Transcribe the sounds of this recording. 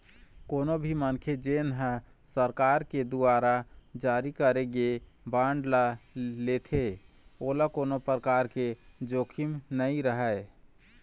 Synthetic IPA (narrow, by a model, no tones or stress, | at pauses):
konobʱimənkʰed͡ʒenɦə̃ | səɾkaɾked̪uaɾad͡ʒaɾikəɾeɡe | baɳɖlalet̪ʰe | olakonopɾəkaɾked͡ʒokʰimnəiɾəɦə